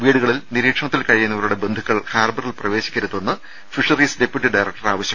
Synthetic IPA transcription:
ʋiːɽuɣɐɭilniɾiːkʂɐɳɐt̪ːilkɐɻijunːɐʋɐɾuɽe̞be̞nd̪ʱukːɐɭhaːrbɐrilprɐʋe̞ːɕi̥kʲːɐɾut̪ːonːɨ | fiʂɐriːsdepjuʈːiɖɐjrɐk̚ʈɐraːʋɐɕjɐm

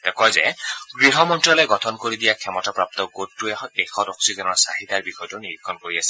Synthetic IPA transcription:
t̪ekɔjzeɡɹiɦɔmɔntɹɔleɡɔtʰɔnkoɾid̪ijakʰɛmɔtapɹap̚t̪ɔɡotːueexɔdɔksizɔnɔɹsaɦit̪aɹbixɔjtuniɾikʰːɔnkoɹiasi̥

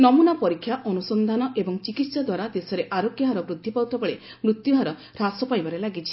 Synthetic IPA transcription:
nɔmunapɔɾikʰːjaʔɔnusɔnd̪ʱanɔʔebɔŋt͡ʃikit̪sɔd̪waɾad̪esɔɾeʔaɾokjaɦaɾɔbɾud̪ʱːipawt̪ɔbɔɭe | mɾut̪juɦaɾɔ | ɾasɔpajbaɾelaɡit͡ʃʰi̥

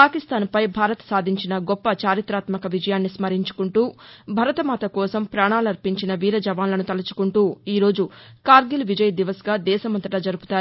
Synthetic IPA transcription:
paːkist̪aːnpɐjbʱaːɾɐt̪ɐ̥saːd̪ʱiɲt͡ʃinɐɡɔpːɐt͡ʃaːɾit̪ɾaːt̪mɐkɐʋid͡ʒɐjaːnːismɐɾiɲt͡ʃu̥kuɳʈuːbʱɐɾɐt̪ɐmaːt̪ɐkɔːsɐmpɾaːɳaːlɐɾpiɲt͡ʃinɐʋiːɾɐd͡ʒɐʋaːnlɐnut̪ɐlɐt͡ʃu̥kuɳʈuːiːɾo̞ːd͡ʒukaːɾɡilʋid͡ʒɐjɐd̪iʋɐsɡaːd̪ɛːsɐmɐnt̪ɐʈɐd͡ʒɐɾupu̥t̪aːɾu

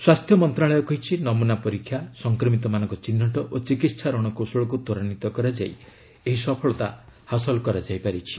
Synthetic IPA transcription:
swast̪ʰjɔmɔnt̪ɾaɭɔjɔkɔɦit͡ʃʰinɔmunapɔɾikʰːjasɔŋkɾɔmit̪ɔmanɔ̃ŋkɔt͡ʃinːɔʈɔʔot͡ʃikit̪sʰaɾɔɽ̃ɔkosɔɭɔk̬ut̪ɔɾañit̪ɔkɔɾad͡ʒa̰j | eɦisɔpʰɔɭɔt̪a̰hasɔlɔkɔɾad͡ʒajpaɾit͡ʃʰi̥

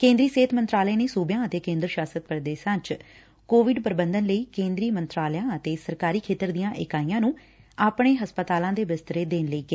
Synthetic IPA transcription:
kẽːnd̪ɾiːseːt̪ʰmə̃nt̪ɾaːleːneːsuːbjãːət̪eːkẽːnd̪ɾəʃaːsət̪̚pəɾd̪eːʃãːt͡ʃ | koːʋɪɖpəɾbənd̪ənləiːkẽːnd̪ɾiːmənt̪ɾaːljãːət̪eːsəɾkaːɾiːkʰeːt̪əɾd̪ijãːʔɪkaːiːãːnũː | aːpɳ̃eːɦəspət̪aːlãːd̪eːbɪst̪ɾeːd̪eːnləiːkeː

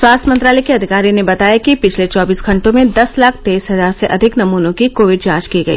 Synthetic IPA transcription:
swaːst̪ʰmɐ̃nt̪ɾaːlɛjkeɐd̪ʱɪkaːɾinebɐt̪aːjakipɪt͡ʃʰlet͡ʃɔːbiːsɡʱɐ̃ɳʈõmẽd̪ɐslaːk̚ʰt̪eːisɦɐzaːɾseʔɐd̪ʱɪknɐmuːnõkikoːʋɪɖ̚t͡ʃãːt͡ʃkiɡɐḭː

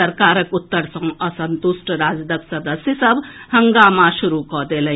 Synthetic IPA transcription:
əɾkaːɾəkut̪ːəɾsə̃ŋəsənt̪usʈəɾad͡zd̪əksəd̪əsjəsəbhəŋɡamaʃuɾukɔd̪elə

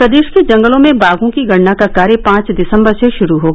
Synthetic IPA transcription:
pɾɐd̪eːʃkid͡ʒɐ̃ŋɡəlõmẽbaːɡõkiɡɐɽnakakaːɾjəpãːt͡ʃd̪ɪsə̃mbəɾseʃʊɾuɦoː

